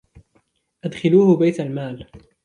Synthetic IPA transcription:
ʔad̪xɪluːhʊbajt̪almaːl

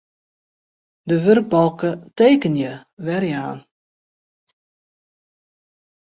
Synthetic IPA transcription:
dəʋørɡ̚bɔlˠkəteːkənjəʋɛrjaːn

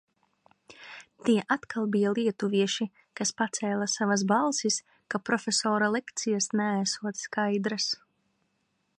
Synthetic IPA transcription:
t̪iɛʔat̪kʰalˠbijalˠiɛt̪uviɛʃi | kaspat̪sɛːlˠasavasbalˠsis | kapɾɔfʲesɔːɾalˠɛkt̪sijasnæːsuɔt̪skajd̪ɾas

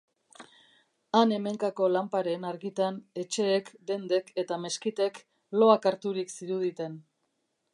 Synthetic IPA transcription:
ane̞me̞ŋkako̞lampaɾe̞naɾɣit̪ane̞t͡ʃe̞ːkd̪e̞nd̪e̞ke̞t̪ame̞skit̪e̞k | lo̞akaɾt̪uɾiksiɾuðit̪e̞n

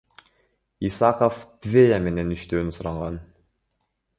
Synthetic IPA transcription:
isɑqoft̪vʲejame̞ne̞nyʃt̪øːnysuɾɑɴʁɑn

